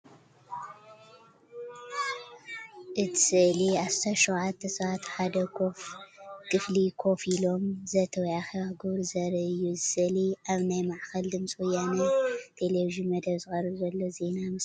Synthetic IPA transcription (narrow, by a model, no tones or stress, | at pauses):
ʔɨt̪ʰɨ̥sɨʔliʕast̪aʃuwʕat̪ʰːɐsɐβat̪ħad̪ɐkʰo̞fkʰʼɨflikʰo̞filo̞mzɐt̪ʰɐwjaxɐβaɡɨβɾzɐɾɐʔɨjːuzɨsɨʔliʔaβnajmaʕxɐld̪ɨmsʼwujanat̪ʰe̞leviʒɨnmɐd̪ɐβzɨxʼɐrɨɾzɐlːo̞ze̞namɨs